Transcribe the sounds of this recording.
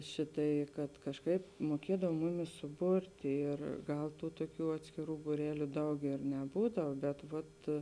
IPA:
ˈʃʲɪˌtɐɪ kɐt kɐʃˈkɐɪp muɔˈkʲiɛdɐw ˈmʊˌmʲɪs sʊˈbʊrʲtʲɪ ɪr ˈɡɐlˠ ˈtuː tuɔˈkʲuː ɐtʲsʲkʲɪˈruː buːˈrʲæːlʲʊ ˈdɐʊk ɪr nʲɛˈbuːdɐw bʲɛt ʋɐt

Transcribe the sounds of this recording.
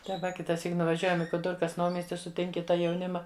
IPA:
tɐɪ ˈʋɐ kʲɪtɐˈsʲiːk nʊʋɐˈʒʲuɔjɛm ɪ kʊˈdɨrkɐs ˈnɐʊmʲiɛsʲtʲɪ sʊˈtʲɪŋʲkʲɪ ˈtɑː jɛʊˈnʲɪmɐ

